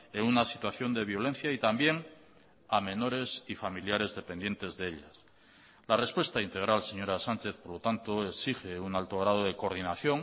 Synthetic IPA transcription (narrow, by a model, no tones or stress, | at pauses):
eŋunasit̪waθjo̞nd̪e̞βjo̞lẽ̞nθjait̪ambje̞ŋ | amẽ̞no̞ɾe̞sifamiljaɾe̞zðe̞pend̪je̞nt̪e̞zðe̞eʎas | lare̞spwest̪aint̪e̞ɣ̞ɾalse̞ɲo̞ɾasant͡ʃe̞θpo̞ɾlo̞t̪ant̪o̞eksixe̞unalt̪o̞ɣ̞ɾað̞o̞ðe̞koɾðinaθjo̞ŋ